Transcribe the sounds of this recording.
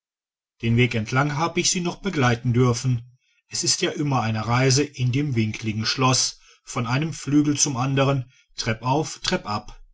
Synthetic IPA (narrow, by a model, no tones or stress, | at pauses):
d̥eːnveːkɛntʰlaŋɦaːbəɪçz̥iːnɔχb̥əɡlaɪtn̩dʏɐfn̩ | ʔɛsɪstjaːʔɪmɐaɪnəʁaɪzəʔɪndeːmvɪŋkʰlɪɡŋ̩ʃlɔs | fɔnʔaɪnəmflyːɡl̩t͡sʊmʔandəʁən | tʁ̥ɛpʔaʊftʁ̥ɛpʔap